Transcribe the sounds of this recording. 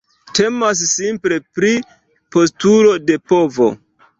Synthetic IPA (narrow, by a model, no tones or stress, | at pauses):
tʰe̞mas̬ːimple̞pɾi | po̞s̬tuɾo̞de̞po̞vo̞̰